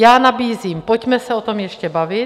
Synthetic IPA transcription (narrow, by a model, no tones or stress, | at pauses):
jaːnabiːziːmpocmɛsɛot̪o̞mjɛʃcɛbavɪ